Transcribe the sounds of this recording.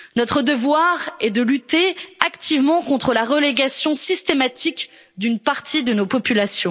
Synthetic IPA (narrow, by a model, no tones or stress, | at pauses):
nɔt̪χəd̪əvwaʁɛd̪əlyt̪eakt̪ivmɑ̃kɔ̃t̪χəlaʁəleɡasjɔ̃sist̪emat̪ik | d̪ynpaʁt̪id̪ənopɔpylasjɔ̃